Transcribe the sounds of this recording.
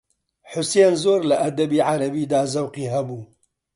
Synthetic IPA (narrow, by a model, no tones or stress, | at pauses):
ħʊseːnzoːɾlaʔɐd̪ɐbiːʕaɾɐbiːd̪aːzɐwqiːɦɐbuː